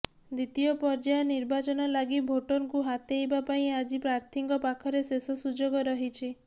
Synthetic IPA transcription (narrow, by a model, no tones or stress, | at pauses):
d̪it̪ijɔpɔɾd͡ʒaeniɾbat͡ʃɔnɔlaɡibʱoʈɔnkuɦat̪ejbapaĩad͡ʒipɾaɾt̪ʰiŋkɔpakʰɔɾesesɔsud͡ʒoɡɔɾɔɦit͡ʃʰi